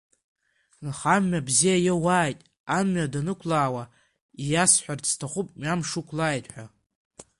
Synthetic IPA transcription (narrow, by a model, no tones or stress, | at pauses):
nχamːabzijajowaːjtʼ | amːɥadanɨkʷʰlaːwa | ijasħʷᶣart͡sʰtʰaχʷupʼmamʂukʷʰlaːjtʼħʷᶣa